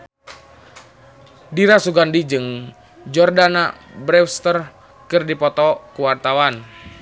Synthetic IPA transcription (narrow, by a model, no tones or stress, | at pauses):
diɾasuɡandid͡ʒɨŋ | d͡ʒɔrdana̰ | bɾɛfst̪ər | kɨrdipɔt̪ɔkuwart̪awan